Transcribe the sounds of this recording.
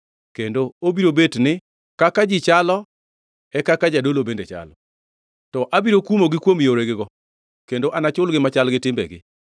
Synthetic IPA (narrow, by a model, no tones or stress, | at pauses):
kendoobiɾobetnɪ | kakad͡ʒɪt͡ʃalɔ | ɛkakad͡ʒadolobendet͡ʃa̰lɔ | tɔʔabiɾokumoɡɪkwomjoɾeɡɪɡɔ | kendoʔanat͡ʃʊlɡɪmat͡ʃalɡɪtɪmbɛ̰ɡɪ̰